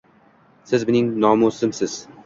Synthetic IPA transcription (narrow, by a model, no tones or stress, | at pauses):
sɪzmɪnɪŋnɒmosɪmsɪz̥